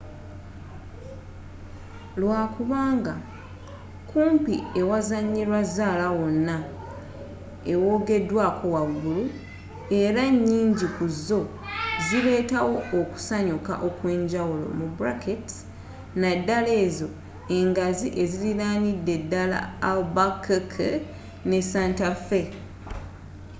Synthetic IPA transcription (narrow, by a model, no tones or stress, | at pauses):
lwaːkuβaːŋɡa | kʰuːmpie̞wazaɲːiɾwazaːlawo̞nːa | ewo̞ːɡe̞dwaːkʰo̞waɡːulu | e̞ɾaɲːiːɲɟikuzːo̞ | zile̞ːtawo̞ːku̥saɲuka̰ʔo̞kwe̞ːɲɟawulo̞̰mubuɾaketi̥ | nadːale̞ːzo̞ | e̞ŋɡaziʔe̞ziliɾaːnidːe̞dːala̰ːlbakkʰ | ne̞saːntafe̞